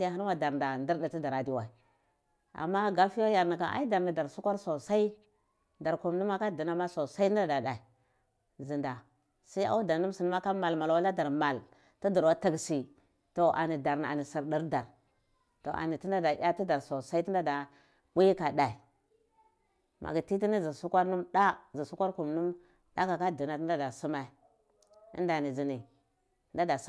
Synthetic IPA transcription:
ja˦˨ɦi˦ɾma˦da˨ɾda˨ndi˦ɾdi˨ti˦da˨ɾa˨di˦wa˨i˨ | a̰˨mːa˦ɡa˦fi˦jo˦ja˨ɾni˨ka̰˨ʔa̰˦i˦da˨ɾni˨da˨ɾsu˦kʷa˦ɾso˨sa˦i˦ | da˨ɾku˨mni˦ma˦ka˦di˨na˦ma˦so˨sa˦i˦a˦da˨da˨i˨ | zi˨nda˨ | sa˦i˦a̰˦u˦da˨nu˦m˦si˨n˦a˦ka˦ma˨lma˨lwa˦la˦da˨ɾma˨l | tu˦du˨ɾwa˦ti˦˨ɡsi˨ | to˨ʔa̰˨ni˨da˨ɾn˨a̰˨ni˨si˨ɾdi˦ɾda˨ɾ | to˨ʔa̰˨ni˨ti˦nda˦da˨ja˦ti˦da˨ɾso˨sa˦i˦ti˦n˦da˦da˨ | wʷi˦jka˨da˨i˨ | mʔa̰˨ɡi˨ti˦t̬i˦ni˦zi˨su˦kʷa˦ɾnu˦mɗa˦zi˨su˦kʷa˦ɾku˨mnu˦m | da˦ka˨ka˦di˨na˨ti˦nda˦da˨su˦ma˨i˨ | ḭ˦nda˨ni˨zi˨ni˨˦ | nda˦da˨˦

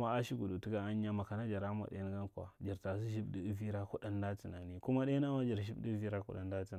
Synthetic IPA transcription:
ma˦a˦ʃi˦ɡu˨du˨ti˦ɡa˦a˦ɲ˦ja˦ma˨ka˨na˦d͡ʒa˨ɾa˦m˦a̰˨ɗḛ˦n˦ɡa˦ŋ˦ka̰˨d͡ʒi˨ɾta˨s̬i˦ʒi˦bdi˦vi˦ɾa˦ku˦ɗa˦nda˦ti˨na˨ni˦ku˦ma˦ɗe˦a˦ma˦d͡ʒi˨ɾʒi˦bdi˦vi˦ɾa˦kṵ˦ɗa̰˦nda˦ti˨

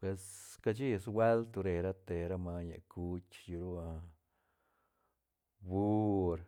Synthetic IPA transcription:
pwe˧ska˧d͡ʒi˦swe˦lt̪u˧ɾe˨ɾa˦t̪e˨ɾa˦ma˧ɲa̰˨kʰu˦t͡ʃju˧ɾu˦a˧ | bu˦ɾ

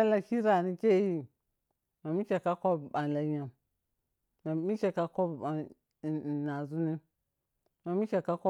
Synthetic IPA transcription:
a˦la˨ki˦ɾa˨ni˦ke˦ji˦ | ma˨mi˦ke˨ka˦ko˦bɓa˨la˨ɲa˨m | ma˨mi˦ke˨ka˦ko˦ba˨ | na˨zu˦ni˦ | ma˨mi˦ke˨ka˦ko˦

